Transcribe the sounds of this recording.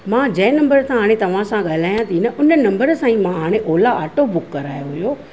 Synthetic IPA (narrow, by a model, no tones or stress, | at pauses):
mãːd͡ʑɐ̃ːnɐ̃mbəɾsʰãɦaːɽ̃et̪ɐʋ̤ãsãɠaːlaːjãt̪ʰinɐʔʊnənɐ̃mbəɾsãːĩmãɦaːɽ̃eʔoːlaaːʈobʊkːɐɾaːjoɦʊjo